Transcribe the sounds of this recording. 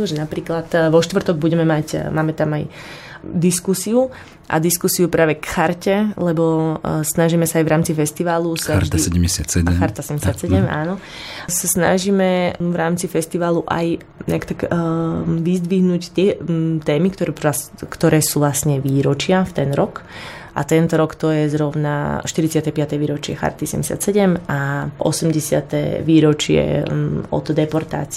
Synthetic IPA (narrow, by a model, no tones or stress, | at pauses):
nɔʒɛnapɾiːklat̪ʋɔʃt̪ʋr̩t̪ɔɡ̚buɟɛmɛmacmaːmɛt̪amaj | d̪iskusiu | ʔa̰d̪iskusiupɾaːʋɛkxaɾcɛlɛbɔsnaʒimɛsaːjʋɾaːmt͡sifɛst̪iʋaːlusaaɾʒt̪isɛɟɛmɟɛsa̰t̪sɛɟɛxaɾt̪asɛɛmɲɟɛsɪat̪sɛɟɛma̰ːnɔ | sasna̰ʒiːmɛʋɾaːmt͡sifɛst̪iʋaːluʔa̰j | ɲɛ̰akt̪aɡ | ʋizd̪ʋiɦnuct̪ɪɛt̪ɛːmikt̪ɔɾɛakt̪ɔɾɛːsuːʋlasɲɛʋiːɾɔt͡ʃɪaft̪ɛnɾɔk | ʔa̰t̪ɛnt̪ɔɾɔkt̪ɔjɛzɾɔʊna̰ʃt̪iɾit͡sɪat̪ɛpɪat̪ɛʋiːɾɔt͡ʃɪɛ̰xa̰ɾt̪isɛ̰mɟɛsɪa̰t̪sɛɟɛmaʔɔ̰sɛmɟɛsɪa̰t̪ɛ̰ʋiːɾɔt͡ʃɪɛ̰ɔ̰t̪ɔd̪ɛpɔɾt̪a̰ːt͡s